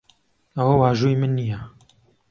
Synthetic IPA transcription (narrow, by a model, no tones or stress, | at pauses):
ɐwɐwaːʒuːimɨnːijɐ